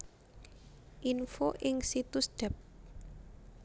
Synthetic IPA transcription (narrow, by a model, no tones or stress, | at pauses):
ʔinfoʔɪŋsit̪usd̪̥ɛp̚